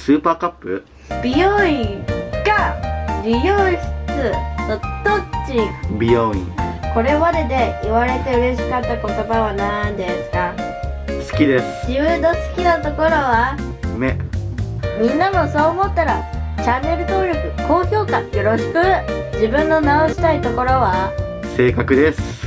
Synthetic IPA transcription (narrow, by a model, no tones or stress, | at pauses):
sɨːpaːkapːɯ̟̰ | b̥ʲijoĩɡaɾʲijoːɕt͡sɨnod̪̥o̞t͡ɕibʲijoḭ̃ko̞ɾe̞βaɾe̞d̪e̞iβaɾe̞t̪e̞ɯ̟ɾe̞ɕi̥kat̪ːako̞t̪o̞baβanaĩnd̪e̞sɨ̥ka | sɨ̥kʲid̪e̞sɨ̥d͡ʑɨːd̪o̞sɨ̥kʲinat̪o̞ko̞ɾo̞βa | me | mʲĩnːamo̞so̞ːmo̞t̪ːaɾa̰t͡ɕanːe̞ɾɯ̟t̪o̞ːɾʲo̞kɯ̟ko̞ːçʲo̞ːkajo̞ɾo̞ɕi̥kɯ̟d͡ʑibɯ̟̃nːo̞nao̞ɕi̥t̪ait̪o̞ko̞ɾo̞βa | se̞ːkakɯ̟d̪esɨ̥